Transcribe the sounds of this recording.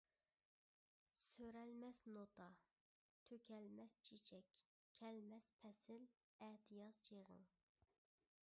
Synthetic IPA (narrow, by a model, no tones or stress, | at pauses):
søɾɛlmɛsnot̪ʰɑ | t̪ʰøkʲʰɛlmɛst͡ʃʰet͡ʃʰɛkʲʰː | ɛlmɛspʰɛsɪl | ɛt̪ʰɨjɑzt͡ʃʰeʁə̰ŋ